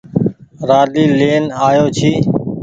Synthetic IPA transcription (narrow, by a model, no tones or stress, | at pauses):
ɾaːɗiːleːnaːjoːt͡ʃʰiː